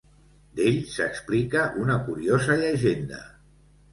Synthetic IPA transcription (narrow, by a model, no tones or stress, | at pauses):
d̪eʎsəksplikəʔunəkuɾiozəʎəʒend̪ə̰